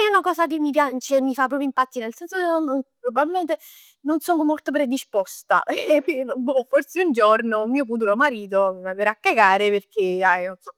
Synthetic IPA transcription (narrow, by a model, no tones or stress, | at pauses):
ɛunakɔːsakemːipjat͡ʃemːifapːɾɔpjoimpat̪ːinelsɛnsokeononpɾobabilment̪e | nonsonomːolt̪op̬ɾed̪ispɔst̪a̰ʔɛpeobɔforseund͡ʒornomiːof̬uːt̪̬ulomaɾiːt̪̬omvapeɾakːaɡaːɾeperk̟eajo